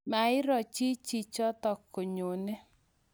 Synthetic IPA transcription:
ma˨ɪ˦ɾɔ˨t͡ʃi˦t͡ʃi˦˨t͡ʃɔ˦tɔ˨kʰo˨ɲo˨ne˦

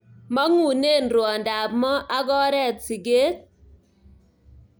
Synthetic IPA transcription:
ma˦ŋu˨ne˦˨nɾwɔ˨nda˨pmɔ˦ʔa˦ɡɔ˦ɾɛ˦˨t̚si˨ɡe˦t̚

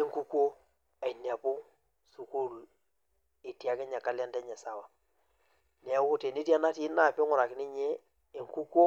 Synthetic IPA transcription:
i˦ŋku˦ko˦ | e˨na˨pu˦ | su˨ko˦ɾu˨ | i˨ti˨a˨˦kɛ˦ɲa˨ka˦la˦ndɛ˦ɲɛ˨sa˨wa˨ | ne˨˦ku˦te˨ni˦ti˦a˦na˦ti˦na˦˨pi˦ŋu˨ɾa˨kɪ˨ni˦ɲe˦ | i˨ŋku˦kʷo˦

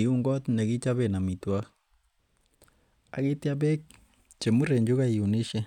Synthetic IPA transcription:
u˦ŋɡɔ˦tne˨ɣi˦t͡ʃa˦βe˨na˨mi˨twa˦ | a̰˨ɣi˦tja˦βe˦k̚ | t͡ʃe˨mu˦ɾe˨ɲd͡ʒu˦ɣa˦i˨u˨ni˦ʃe˦

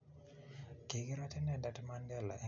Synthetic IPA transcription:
ke˨ɡi˦ɾɔ˦tɛ˦nɛ˨da˨tma˦ndɛ˦˨la̰˨ʔɛ˦˨

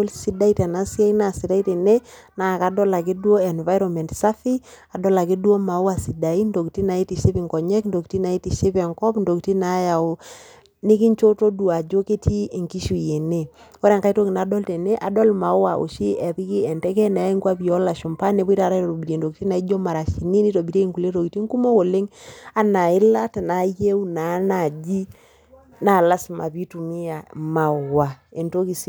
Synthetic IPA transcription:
o˦lsi˦da˦i˦ta˨na˨˦si˦a˦ina˨si˨da˦i˦tɛ˨ne˦ | na˨ka˨dɔ˦la˨k̬i˦dwo˦ɛ˨nva˦jɾɔ˨mɛ˨ntsa˦fi˦a˨dɔ˦la˨ki˦dwo˦ma˨wwa˨si˨da˨i˦ndo˨ki˨ti˦na˨i˦ti˨ʃe˦pi˨ŋkɔ˨ɲɛ˦kndo˨kti˦na˨˦i˦ti˨ʃe˦pɛ˨ŋkɔ˦pndo˨kti˦na˨˦ja˨o˨ | ni˦ki˦nt͡ʃo˦to˦du˨a˨d͡ʒo˦ke˦ti˦e˨ŋki˦ʃu˨je˨ne˦˨ | ɔ˦ɾɛ˦˨ŋka˦i˦to˦ki˨na˨dɔ˦ltɛ˨ne˦ʔa˨dɔ˦lma˨˦wa˨ʔo̰˨ʃi˦ʔɛ˨ði˦ki˦ɛ˨ntɛ˦kɛ˦na˨a˦i˦ŋkwa˦pi˨ɔ˦la˨ʃo˨mpa˦ne˨pɔ˦i˦ta˦˨ɾa˦to˨to˨bi˨ɾe˨ndo˨ki˨ti˦na˨˦i˦d͡ʒo˦ma˨ɾa˨ʃi˨ni˦ni˦to˨bi˨ɾe˦i˦ŋku˨le˦to˨ki˨ti˦ŋku˦mo˦ko˨le˦ŋa˦na˨ɪ˦la˦tna˨˦je˦u˦na˨˦na˨d͡ʒi˦ | na˨la˦sma̰˨pi˦tu˨mɪ˦ja˨ma˨wa˨e˨nto˦ki˨s

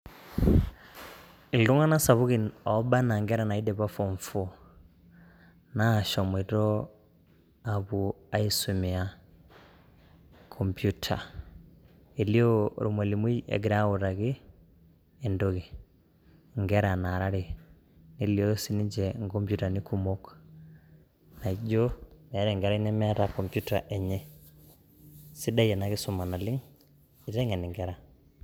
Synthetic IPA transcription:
i˨lu˦ŋa˦na˦sa˨βu˦ɣi˨nɔ˨˦ba˦na˨ŋɡɛ˦ɾa˨na˨i˦dɛ˨βa˦fɔ˨ɱfɔ˦ | na˦˨ʃɔ˨mwɛ˨tɔ˦ | a˨βu˨a˦i˦su˨mi˨a˨ | kʰɔ˨mbju˦tʰa̰˨ | e˨li˦ɔ˦ɾu˨mɔ˨li˨mu˦i˦ʔɛ̰˨ɡi˨ɾa˦u˨ɾa˨ɣiː˦˨ | ndo˦ki˨ | ŋɡɛ˦ɾa˨na˨ɾa˦ɾi˨ | ni˨˦li˦o˦si˦ni˦d͡ʒɛ˨ŋɡo˦mpju˦ta˨ni˦ku˦mo˦k | na˨i˦d͡ʒo˦mɛ˨˦ɾɛ˨ŋɡɛ˨ɾa˦i˦nɛ˦mɛ˦a˦ta˨ko˨mpju˦ta˨ʔɛ˨ɲɛ˦ | si˦da˦jɛ˨na˨ki˦su˨ma˨na˨li˦ŋ | i˨ta˦ŋɛ˨ni˨ŋɡɛ˦ɾa˨

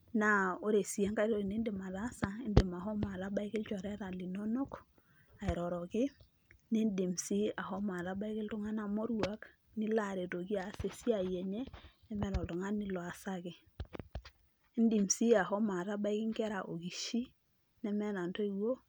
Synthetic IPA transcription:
na˦o˦ɾe˨si˨a˦ŋka˦ɾo˦˨ɾi˨ne˦ndɪ˨ma˨ɾa˦sa˦i˦ndɪ˨ma˨ɦɔ˦ma˨ɾa˦ba˦ɪ˦kɪ˦lt͡ʃɔ˨ɾɛ˦ɾa˨li˨no˦no˦k | a˨ɪ˨ɾɔ˨ɾɔ˨kɪ˦ | ni˦ndi˨msi˦a˨ɦɔ˦ma˨ɾa˦ba˦ɪ˦kɪ˦ltʊ˦ŋa˦na˨mɔ˦ɾwa˦k | ni˦la˦˨ɾe˨to˨ɡi˦a˨se˨si˦a˨je˨ɲe˦nɛ˦mɛ˦nɔ˨ltɔ˨ŋa˦nːɪ˦lɔ˨a˨sa˦kɪ˨ | i˦ndi˨msi˦a˨ɦɔ˦ma˨ɾa˦ba˦ɪ˦kɪ˦ŋkɛ˦ɾa˨ʔo˨ɡi˨ʃi˦ | nɛ˦mɛ˦na˨ntɔ˦i˨wo˦

